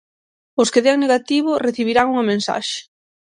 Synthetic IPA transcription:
ʊskeðɛŋneɣat̪iβʊreθiβiɾaŋuŋɐmẽnsa̰ʃe̥

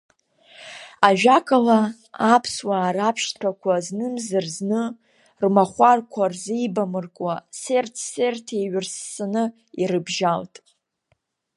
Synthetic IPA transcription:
aʒᶣakʼala | apʰswaːɾapʰʃtʰakʷʰaznɨmzarznɨ | rmaχʷarkʷʰarzejbamɨrkʼwasertʰsertʰeɥrsanɨ | iɾɨbʒaltʼ

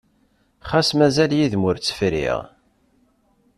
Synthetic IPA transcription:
χasmæzæljiðmʊɾt͡sːə̥fɾḭʁ

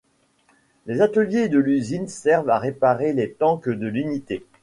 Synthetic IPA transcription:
lezat̪əljed̪əlyzinsɛʁvaʁepaʁelet̪ɑ̃kəd̪əlynit̪e

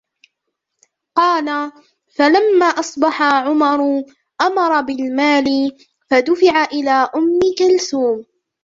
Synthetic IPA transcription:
qɑːla | falamːaːʔɑsˤbɑħaʕʊmɑɾˤ | ʔamɑɾˤɑbɪlmaːlɪ | fad̪ʊfɪʕaʔɪlaːʔʊmːɪkalsuːm

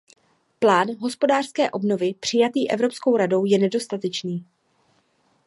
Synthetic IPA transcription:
plaːnɦo̞spo̞daːr̥skɛːʔo̞bno̞vɪpr̝̥ɪjat̪iːʔɛ̰vɾo̞pskowɾado̞wjɛnɛdo̞st̪at̪ɛt͡ʃniː

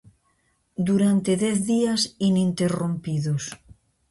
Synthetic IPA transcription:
d̪uɾant̪eðeθðiasinĩnt̪erompiðos

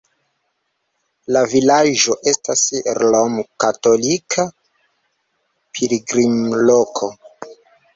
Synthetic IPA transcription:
lavilaʒo̞ʔe̞stasɾlomkato̞likʰa | pʰiliɡɾimlokʰo̞

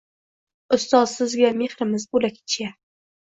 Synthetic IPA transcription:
ʊst̪ɒzsɪzɡʲame̞hɾɪmɪzbolakʲʰɪ̥t͡ʃʰja

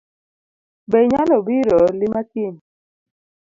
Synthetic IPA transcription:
bɛɲalɔbiɾɔlimatin

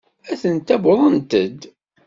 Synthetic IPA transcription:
æθənt̪æbəðˤənt̪əd̪

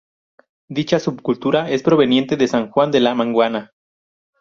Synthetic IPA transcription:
d̪it͡ʃasubkult̪uɾae̞spɾo̞βe̞nje̞nt̪e̞ðesaŋxwand̪e̞lamãŋɡwana

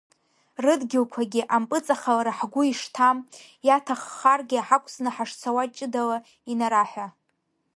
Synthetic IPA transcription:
rɨdɡʲɪlkʷʰaɡʲɪʔampʼɨt͡sʼaχalaɾaħɡʷʊiʂtʰam | jatʰaχːarɡʲiaħakʷʼʰsnɨħaʂt͡sʰawat͡ʃʼɪdala | inaɾaħʷa

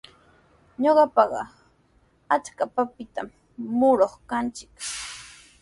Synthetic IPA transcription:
ɲoɢɑpɑɢɑ̰ | at͡ʃkapapɪt̪a̰mː | ʊɾoχkant͡ʃɪk

